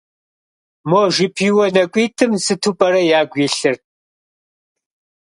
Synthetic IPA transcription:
moːʒɪpʰiːwɔnɐkʷʼiːtʰɨmsɨtʰupʼɐɾɐjaːɡʷiːɬɨr

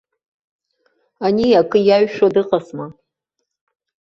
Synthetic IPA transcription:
aniakʼɨjaɥʃodɨqʼasma

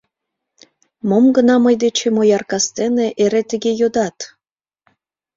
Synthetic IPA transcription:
momɡənɑməjd̪et͡ɕemojɑrkɑst̪eneʔeɾet̪əɣejod̪ɑt̪

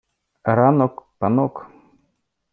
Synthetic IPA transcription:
ɾanɔkpanɔk

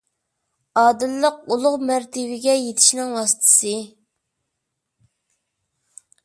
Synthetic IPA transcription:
ɑːd̪ɨlːəqulˠʊʁmæɾt̪ʰɪbɪɡʲɛjet̪ʰɪ̥ʃnɪŋwɑːsɨ̥t̪ʰɨ̥sɨ

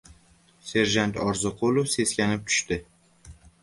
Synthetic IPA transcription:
se̞ɾʒant̪ʰɒɾzɨqʰolˠofse̞skʲanɪp̚t̪ʰʊ̥ʃt̪ɪ

